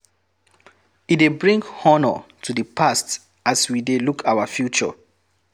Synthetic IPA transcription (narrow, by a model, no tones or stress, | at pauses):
idebɹĩŋɡhɔnɔ̰tʰudəpʰast | aswidelukʰaʊwəfjut͡ʃə̰